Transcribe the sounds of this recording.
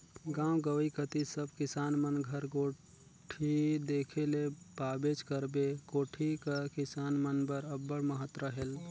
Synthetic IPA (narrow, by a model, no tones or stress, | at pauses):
ɡãːwɡəwikət̪isəb̚ʱkɪsaːnmənɡʱəɾɡoː | ʈʰid̪eːkʰelepaːbed͡ʒkəɾbekoːʈʰikakɪsaːnmənbəɾəbːəɽməɦət̪ɾəɦel